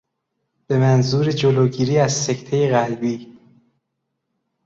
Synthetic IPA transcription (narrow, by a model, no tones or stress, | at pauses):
b̥e̞mænzuːɾed͡ʒoloːɟiːɾiːæz̥sect̪ʰejeɣælbiː